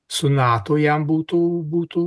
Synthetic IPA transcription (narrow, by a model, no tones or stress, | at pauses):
sunːaːt̪ojambut̪ubut̪u